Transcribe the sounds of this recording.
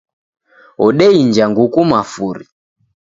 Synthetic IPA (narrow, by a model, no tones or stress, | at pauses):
ɔɗɛind͡ʒaŋɡukumafuɾḭ